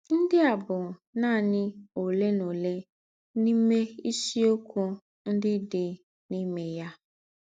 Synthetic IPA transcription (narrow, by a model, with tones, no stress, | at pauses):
n̩˦dɪ˦a˨bʊ˨nãː˦˨nɪ̃˦o˨le˦no˨le˦ | nĩ˦me˦i˦si˦o˦kʰɔ˦ | n̩˦dɪ˦de˦ | nĩ˦me˨ja˦